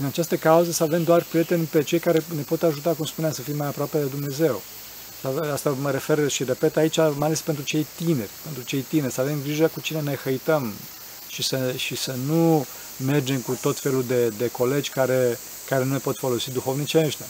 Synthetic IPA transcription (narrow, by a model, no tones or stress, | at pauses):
ɨnat͡ʃast̪əkauzesəave̞md̪oarpɾije̞t̪e̞nʲpe̞t͡ʃe̞jkaɾe̞ne̞po̞t̪aʒut̪akumspuneamsəfijmajapɾoape̞d̪e̞d̪umne̞ze̞w | saast̪aməɾe̞fe̞rʃire̞pe̞t̪ait͡ʃamajalespent̪ɾut͡ʃe̞jt̪ine̞rʲpe̞nt̪ɾut͡ʃe̞jt̪inerʲsəave̞mɡɾiʒəkut͡ʃine̞ne̞xəjt̪əm | ʃisəʃisənu | me̞rd͡ʒe̞mkut̪o̞t̪fe̞luld̪e̞d̪e̞ko̞le̞d͡ʒʲkaɾe | kaɾe̞nule̞po̞t̪fo̞lo̞sid̪uxo̞vnit͡ʃeʃt̪ʲa